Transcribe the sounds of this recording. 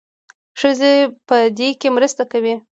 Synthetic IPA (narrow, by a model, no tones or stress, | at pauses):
ʂəzepəd̪ekemɾəst̪akawi